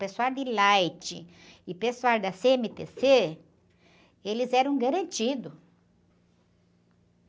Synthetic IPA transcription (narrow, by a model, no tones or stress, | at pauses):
pesuald̪ɪlajt͡ʃɪ | ɪpesuald̪ɐseemet̪ese | elɪzɛɾɐ̃w̃ɡaɾɐ̃nt͡ʃid̪ʊ